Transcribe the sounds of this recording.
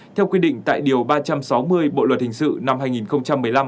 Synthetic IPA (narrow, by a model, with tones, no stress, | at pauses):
t̪ʰɛ˧wkwi˧ɗḭ˧˨ŋ̟t̪a̰ː˧˨jɗi˨˩əwɓaː˧t͡ɕa˧msa˨˦wmɨ˧əjɓo̰˧˨lwə˨˩t̚hï˨˩ŋ̟sɨ̰˧˨na˧mhaː˧jŋi˨˩nxə˧wŋ͡mt͡ɕa˧mːɨ˨˩əjla˧m